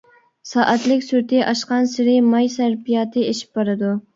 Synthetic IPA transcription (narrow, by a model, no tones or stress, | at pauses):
sɑːʔæt̪lɪkʲsyɾt̪ʰɪʔɑʃqɑnsɪɾɪmɑjsæɾbijɑːt̪ʰɨeʃi̥p̚bɑɾɨd̪u